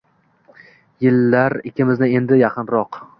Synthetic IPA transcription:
jɪlːaɾɪkʲʰɪmɪznɪe̞nd̪ɪjɑqʰɨnɾɒq

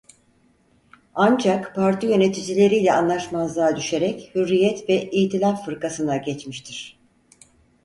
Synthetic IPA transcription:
and͡ʒakpʰaɾt̪ʰijø̞ne̞t̪ʰid͡ʒilʲe̞ɾijlʲɛanlˠaʃmazlˠaːd̪yʃe̞ɾɛchyɾːijɛt̪vɛʔijt̪ʰilʲapfɯɾkasɯnd̪aɟɛt͡ʃmiʃt̪ʰiɾ̝̥

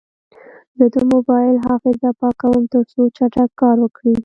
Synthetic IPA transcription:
d̪əd̪əmʊbɑjɪlɦɑfɪzapɑkawəmt̪əɾt͡sot͡ʃaʈakkːɑɾwəkɽi

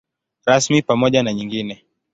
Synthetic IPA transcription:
ɾasmipamɔʄanaɲiŋɡinɛ

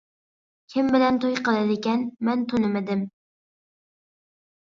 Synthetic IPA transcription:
kʲʰɪmbɪlɛnt̪ʰojqʰəlˠɨd̪ɪkʲɛnmɛnt̪ʰonɪmɪd̪ɪm

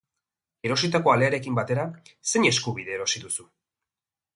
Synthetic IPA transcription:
e̞ɾo̞sit̪ako̞ale̞aɾe̞kimbat̪e̞ɾase̞ɲe̞skuβ̞iðeːɾo̞siðusu

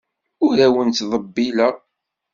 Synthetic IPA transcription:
ʊɾæwənt̪ðˤəbːilæ

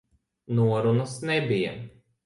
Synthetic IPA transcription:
nuɔɾunɔsnʲɛbʲijɛ̰

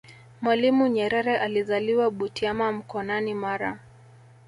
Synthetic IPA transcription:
mwalimuɲɛɾɛɾɛʔalizaliwaɓutiamam̩kɔnanimaɾa

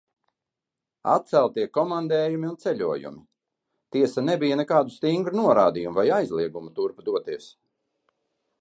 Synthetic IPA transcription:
a̰t̪̚t̪sælˠt̪iɛkɔmand̪ɛːjumiunt̪sɛʎʲuɔjṵmi | t̪iɛsanebijanɛkaːd̪ust̪iŋɡɾunuɔɾaːd̪ijumuvajajzlˠiɛɡumut̪uɾpad̪uɔt̪iɛs

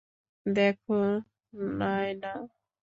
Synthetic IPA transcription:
d̪ekʰu | najna

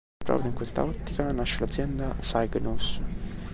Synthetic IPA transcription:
pɾɔ̰ːpɾjoiŋkwest̪a̰ɔt̪ːikanaʃːelad̪zːjɛnd̪asajɡnus

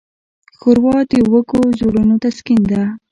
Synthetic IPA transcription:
xoɾwɑt̪ewəkozoɽənot̪askind̪a

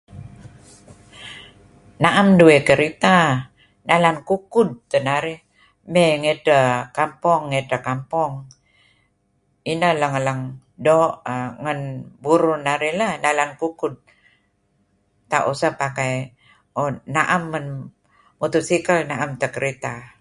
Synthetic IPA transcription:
naʔamduekəɾit̪a | nalankukud̪̚t̪ənaɾi | meŋetəkampɔŋːetəkampɔŋ | inəhləŋələŋ | doʔŋənbuɾunaɾiləhnalankukud̪̚ | t̪aʔusəpakaj | onaʔamːən | mut̪usikəlnaʔamt̪əkəɾit̪a

